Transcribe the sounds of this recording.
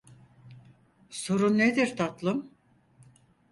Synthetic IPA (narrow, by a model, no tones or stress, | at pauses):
soɾunːed̪iɾt̪ʰat̪lˠɯm